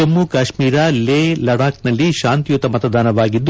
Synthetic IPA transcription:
ɐmːukaːʃmiːɾaleːlɐɽaːknɐlːiʃaːnt̪ijut̪ɐmɐt̪ɐd̪ʱaːnɐʋaːɡid̪ː

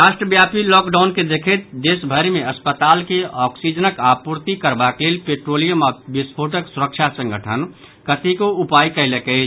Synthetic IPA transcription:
ɾasʈɾəbjapilɔkɖaʊnked̪ekʰet̪̚d̪esbʱəɾimeəspət̪aːlkeɔːksid͡ʒənəkapuɾt̪ikəɾbaklelpeʈɾolijəmabispʰoʈəksuɾəkt͡ʃʰasə̃ŋɡʱəʈʰən | kət̪ʰikoupajkəɪlekəɪ

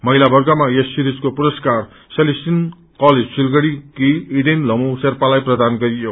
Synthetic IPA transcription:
mʌɦilabʌrɡʌmajesːiɾid͡zkopuɾʌskar | selisin | kʌled͡zsilɡʌɽikiiɖenlʌmuserpalajprʌd̪anɡʌɾijo

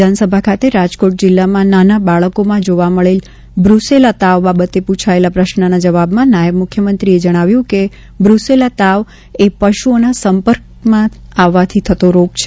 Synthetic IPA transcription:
d̪ʱansəbʱakʰat̪eɾad͡ʒkoʈ̚d͡ʒɪlːamãnanabaɭəkomãd͡ʒoʋaməɭel | bɾuselat̪aʋbabət̪eput͡ʃʰaelapɾəʃnənad͡ʒəʋabmãnajəbmʊkʰjəmənt̪ɾied͡ʒəɽ̃aʋjũke | bɾuselat̪aʋ | epəʃuonasəmpəɾk̚ | mãaʋːat̪ʰit̪ʰət̪oɾopt͡ʃʰe

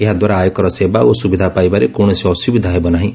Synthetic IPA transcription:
eɦad̪waɾaːjɔkɔɾɔsebaosubid̪ʱapajbaɾekoɽ̃ɔsiɔsubid̪ʱaɦebɔnaɦĩ

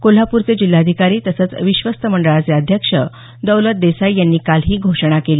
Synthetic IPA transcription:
kol̤apuːɾt͡sed͡ʑil̤ːaəd̪ʱikaɾiːt̪əsət͡sʋiɕʋəst̪əməɳɖəɭat͡seəd̪ʱjəkʂə̰ | d̪əwlət̪̚d̪esajjanːiːkalɦiːɡʱoʂɳ̃akeliː

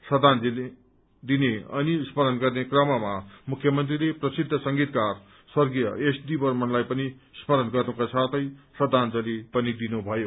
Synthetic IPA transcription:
sʌd̪ʱand͡zile | d̪ineʌ̰nismʌɾʌnɡʌrnekrʌmamamukʰːjʌmʌnt̪rileprʌsid̪ʱːʌsʌŋɡit̪̚kar | swʌrɡijʌesd̪ibʌrmʌnlajpʌnismʌɾʌnɡʌrnukasʰat̪ʰʌjsʌd̪ʱand͡zʌlipʌnid̪inubʱʌjo

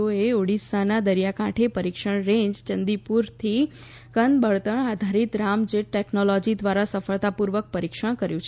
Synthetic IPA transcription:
oeoɽisanad̪əɾijakãʈʰepəɾikʃəɽ̃ɾẽɲd͡ʒt͡ʃənd̪ipuɾt̪ʰi | kənbəɭt̪əɳad̪ʱaɾit̪ɾamd͡ʒeʈʈeknolod͡ʒid̪ʋaɾasəfəɭt̪apuɾʋək̚pəɾikʃəɽ̃kəɾjũt͡ʃʰ

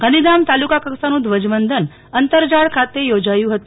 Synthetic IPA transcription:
kənid̪amt̪alukakəksanũd̪ʋəd͡ʒmənd̪ʱən | ənt̪əɾd͡ʒaɽkʰat̪ejod͡ʒajũɦət̪u

